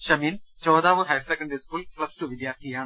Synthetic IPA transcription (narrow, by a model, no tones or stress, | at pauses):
ɕɐmiːnt͡ɕoːd̪aːʋuɦɐjsekːɐɳɖɾiskuːlpɭɐstuʋid̪jaːrt̪ʰijaːɳɨ